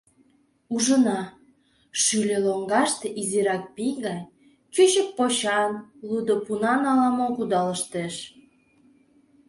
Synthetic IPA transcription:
uʒənɑ | ʃylʲeloŋɡɑʃt̪eʔiziɾɑk̚piɡɑj | t͡ɕøɕək̚poɕɑnlud̪opunɑnɑlɑmokud̪ɑləʃt̪eʃ

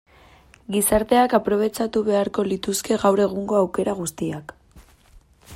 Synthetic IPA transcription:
ɡisaɾt̪e̞akapɾo̞β̞e̞t͡ʃat̪uβe̞aɾko̞lit̪uske̞ɣawɾe̞ɣ̞uŋɡo̞awke̞ɾaɣ̞ust̪iak

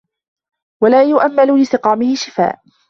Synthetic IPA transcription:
walaːjʊʔamːalʊlɪsɪqɑːmɪhɪʃɪfa̰ːʔ

